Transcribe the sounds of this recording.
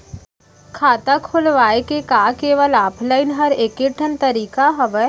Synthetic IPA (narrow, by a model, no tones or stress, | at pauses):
kʰaːt̪akʰʊlʋaːekekaːkeːʋəlɔːpʰlaːɪnɦɐɾeːkeʈʰənt̪əɾiːkaɦɐʋɛ